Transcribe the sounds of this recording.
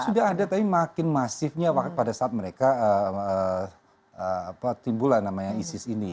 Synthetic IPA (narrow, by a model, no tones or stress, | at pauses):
sudaɦadat̪apimakɪnmasɪfɲawakt̪̚padasaːt̪̚məɾekaəə | əapat̪imbulanːamaɲaisɪsini